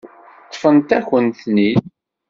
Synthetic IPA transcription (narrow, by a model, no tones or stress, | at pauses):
t̪ˤːfənt̪æçənt̪ni